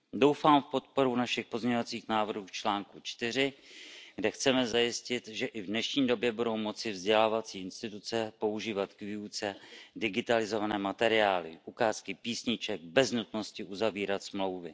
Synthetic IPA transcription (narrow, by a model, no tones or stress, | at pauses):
do̞wfaːmfpo̞t̪̚po̞ɾunaʃɪxpo̞zmɲɛɲovat͡siːxnaːvr̩ɦuːft͡ʃlaːŋkut͡ʃt̪ɪr̝ɪɡdɛxt͡sɛmɛzajɪscɪt̪ʒɛʔɪvdnɛʃɲiːdo̞bjɛbudo̞wmo̞t͡sɪvzɟɛlaːvat͡siːɪnst̪ɪt̪ut͡sɛpo̞uʒiːvat̪kviut͡sɛdɪɡɪt̪alɪzo̞vanɛːmat̪ɛɾɪaːlɪ̰ʔukaːskɪpiːsɲɪt͡ʃɛɡ̚bɛznut̪no̞scɪʔuzaviːɾat̪smlo̞wvɪ